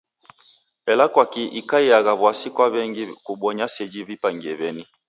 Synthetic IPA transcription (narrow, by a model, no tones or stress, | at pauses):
ɛlakwakiʔikaiaɣaβwasikwaβɛŋɡikuɓɔɲasɛd͡ʒiβipaŋɡɛβɛni